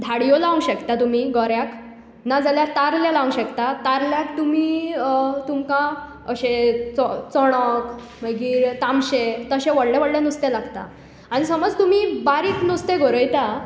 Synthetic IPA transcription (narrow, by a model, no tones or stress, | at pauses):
d̪ʱaɽijolaũɕəkt̪at̪um̤iɡɔɾjak | nad͡zaljaɾt̪aɾljãlaũɕəkt̪at̪aɾljakt̪umiː | t̪umkã | əɕẽt͡sɔt͡sɔɽ̃ək | məɡiːɾt̪amɕet̪əɕẽʋəɽlẽʋəɽlẽnust̪elaɡt̪a̰ | aɽ̃isəməd͡zt̪umibaɾiːknust̪eɡɔɾəjt̪a